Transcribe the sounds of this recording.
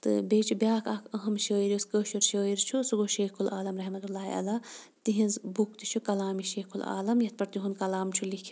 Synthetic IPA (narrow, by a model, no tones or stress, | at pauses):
t̪ɨ̰beːt͡ʃʰubjaːkʰɐkʰəɦɐmʃəːiɾuskəːʃuɾʃəːiɾt͡ʃʰusuɡoʃeːkʰulʔaːlɐmɾɐɦmɐt̪ulːaːḭɐ̰laː | t̪iɦinzbuk̚t̪it͡ʃʰukɐlaːmiʃeːkʰula̰ːlɐmjɐt̪̚pɐɾt̪iɦunkɐlaːmt͡ʃʰulikʰi